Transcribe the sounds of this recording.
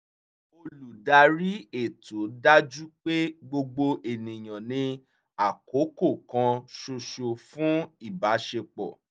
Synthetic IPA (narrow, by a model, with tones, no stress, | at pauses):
o˧lu˨da˧ɾi˦e˦˨to˨˦da˦d͡ʒu˦k͡pe˦ɡ͡bo˧ɡ͡bo˧ʔe˨nĩ˨j̃ã˨nĩ˧ | a˨ko˨˦ko˦˨kã˧ʃo˧ʃo˧fũ˦i˦˨ba˨˦ʃe˧k͡pɔ̰˨